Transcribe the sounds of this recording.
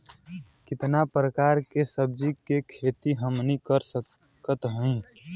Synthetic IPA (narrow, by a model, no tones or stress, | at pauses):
kɪt̪napɾəkaːɾkesəb̚d͡ʒikekʰeːt̪iɦəmnikəɾsə | kət̪ɦə̃ĩ